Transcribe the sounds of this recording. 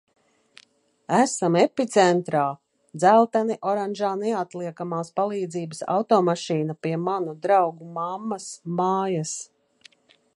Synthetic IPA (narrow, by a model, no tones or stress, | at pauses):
æsamɛpit̪sɛnt̪ɾaː | d̪zælˠt̪aniʔɔɾanʒaːnɛat̪liɛkamaːspalˠiːd̪ziːbəsa̰wt̪ɔːmaʃiːnapiɛmanud̪ɾawɡumamːasmaːjas